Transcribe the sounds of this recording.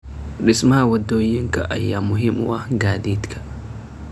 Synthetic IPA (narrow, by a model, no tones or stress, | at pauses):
ɗismawɐdojiŋka̰ʔajːamʊɦimṵwaɡadit̪kʰḁ